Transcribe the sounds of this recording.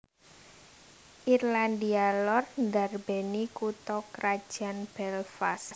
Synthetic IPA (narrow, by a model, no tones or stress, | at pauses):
ʔirland̪ialɔrnd̪arbenikut̪ɔkɾad̥ʒ̥a̤nb̥ɛlfas